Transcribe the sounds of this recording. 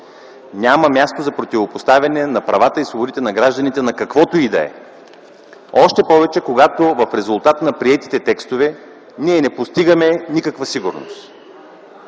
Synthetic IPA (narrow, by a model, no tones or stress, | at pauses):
nʲaməmʲjast̪ozɐpɾot̪ivopost̪avʲɐnɛnɐpɾɐvat̪əisoboɾit̪ɛnɐɡɾaʒd̪ɐnit̪ɛnɐkɐkvɔt̪oid̪ɐ̰ɛ̰ | ɔʃt̪ɛpɔvɛt͡ʃɛkoɡat̪ovɐfɾɛzʊlˠt̪at̪nɐpɾiɛt̪i̥t̪ɛt̪ɛkst̪ovɛ | niɛnɛpost̪iɡəmɛnikəkvəsiɡʊɾno̰st̪